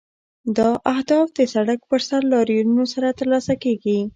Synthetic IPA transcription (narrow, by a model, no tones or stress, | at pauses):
d̪ɑʔahd̪ɑfd̪əsaɽakpəɾsaɾlɑɾjununosaɾat̪əɾlɑsakeɡi